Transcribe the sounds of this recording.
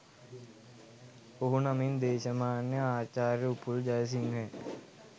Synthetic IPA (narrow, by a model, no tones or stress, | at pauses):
oɦunɐmind̪eːʃɐmaːnjɐaːt͡ʃaːɾjɐupuld͡ʒɐjs̬iŋɦɛː